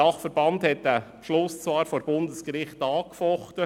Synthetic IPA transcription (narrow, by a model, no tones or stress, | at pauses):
ɑχfəɾb̥ɑndhɛt̚dæ | ʃlʊst͡sʋɑːɾfoːɾb̥ʊndəskɾɪχtɑːkfɔχtə